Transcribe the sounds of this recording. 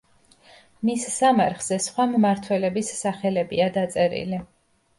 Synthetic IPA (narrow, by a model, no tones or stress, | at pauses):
missamaɾχz̥ɛsχwammaɾt̪ʰwɛlɛbisːaχɛlɛbiad̪at̪sʼɛɾḭli